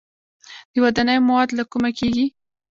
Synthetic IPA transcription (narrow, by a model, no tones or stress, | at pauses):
d̪̥əwad̪ɑnəjmawɑd̪lakumakeɡi